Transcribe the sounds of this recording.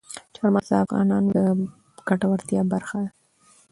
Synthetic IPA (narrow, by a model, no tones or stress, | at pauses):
t͡ʃɑɾmɑza̰afɣɑ̰nɑnd̪ə | ɡ̥aʈawaɾt̪jɑbaɾxad̪a